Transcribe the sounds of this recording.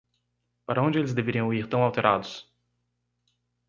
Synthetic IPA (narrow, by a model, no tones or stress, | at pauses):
paɾɐõd͡ʒɪelɪzd̪eveɾiɐ̃iɾt̪ɐ̃w̃awt̪eɾʔa̰d̪ʊs